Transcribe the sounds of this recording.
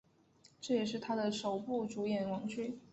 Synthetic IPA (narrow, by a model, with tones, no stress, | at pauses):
ʈ͡ʂɤ˥˩jɛ˨˩ʂ̬ɻ̩˥˩t̪ʰa˥d̪ə˨ʂo˨˩ʊpu˥˩ʈ͡ʂu˧˥jɛ˨˩nwɑ˧˥ŋt͡ɕʰy˥˩